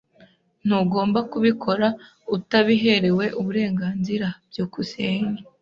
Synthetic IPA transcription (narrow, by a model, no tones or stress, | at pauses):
n̥uːɡo̞ːmbakuβikʰo̞ɾa | utaβiɦe̞ɾe̞we̞ʔuβuɾe̞ːŋɡaːnziɾab̥̚jokuseːɲe